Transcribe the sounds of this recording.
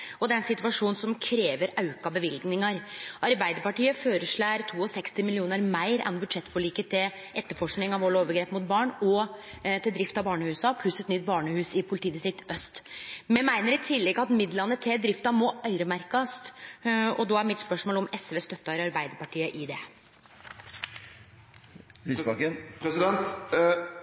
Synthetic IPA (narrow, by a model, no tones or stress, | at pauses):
ɔd̪ɛɾɛnsɪt̪ʉɑʂuːn̩sɔmkʰɾeːʋəɾɑʉkɑbəʋɪlɡnɪŋɑɾɑɾbæɪd̪əɾpɑʈiːəføːɾəʂɭæɾt̪ʰuːɔsɛkst̪ɪmɪlɪuːnəɾmæɪɾɛ̰nbʉd̪ʂɛt̪ːfɔɭiːkət̪ʰɪl | ʔɛt̪ːəɾfɔʂknɪŋɑʋoːɭoːʋəɾɡɾeːpmʊt̪̚bɑːɳɔ | t̪ʰɪld̪ɾɪft̪ɑbɑːɳəhʉːsɑpʰlʉsɛt̪nʏt̪̚bɑːɳəhʉːsɪpʰʊlɪt̪iːd̪ɪst̪ɾɪk̚t̪œst̪mɛmæɪnəɾɪt̪ʰɪlːɛɡɑt̪mɪd̪lɑnːət̪ʰɪld̪ɾɪft̪ɑmɔʔœʏɾəmæɾkɑst̪ɔd̪ɔːæɾmɪt̪spœʂmoːlɔmɛsʋeːst̪œt̪ːɑɾɑɾbæɪd̪əɾpɑʈʰiːəʔɪd̪ɛ | əsɛnt̪